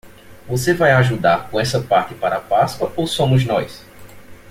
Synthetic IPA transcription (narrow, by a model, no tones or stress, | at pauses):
vosevajaʒud̪aɾkõɛsɐpaɾt̪ɪpaɾɐapaskwɐʔowsõmʊznɔjs